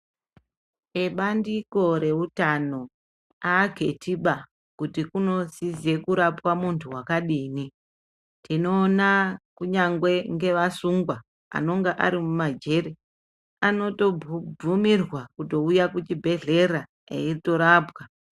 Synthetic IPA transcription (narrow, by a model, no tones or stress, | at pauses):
eɓandiko̞ɾe̞utano̞ | aːɡʱe̞tiɓa | kutikuno̞zize̞kuɾapwamuntʰuwakaɗiːni | tino̞ːnakuɲaŋɡwe̞ŋɡe̞ʋasuŋɡwa | a̰no̞ŋɡaʔa̰ɾimumad͡ʒe̞re | ano̞to̞bumirwakuto̞ujakut͡ʃibʱe̞ɮe̞ra | ḛirito̞ɾaːpwa